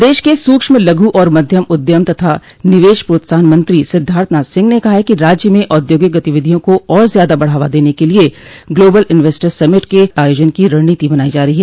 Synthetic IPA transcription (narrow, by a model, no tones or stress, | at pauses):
d̪eːʃkesuːkʃmẽlɐɡʱuʔɔːɾmɐd̪ʱjəmʊd̪jəmt̪ɐt̪ʰanɪʋeːʃpɾoːt̪ɪsaːnmɐ̃nt̪ɾisɪd̪ʱːaːɾt̪ʰnasɪ̃ŋɡnekɐɦakiɾaːd͡ʒjəmẽʔɔːd̪joːɡɪk̚ɡɐt̪ɪʋɪd̪ʱijõkoɔːɾzjaːd̪abɐɽ̤aːʋad̪eːnekelieɡloːbəlɪnʋeːsʈəɾsɐmɪʈkeaːjoːd͡ʒənkiɾɐɽniːt̪ibɐnaːid͡ʒaːɾɐɦiɦɛː